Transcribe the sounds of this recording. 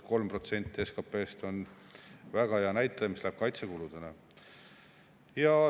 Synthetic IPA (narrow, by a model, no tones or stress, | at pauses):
ko̞lmpro̞t̪se̞nʲt̪ːˑie̞skɑpːˑe̞ːst̪o̞n | væɡ̥ɑheɑnæjt̪ːˑɑjɑmislæb̥̚kɑjt̪sekulud̪̥ɑne | jɑ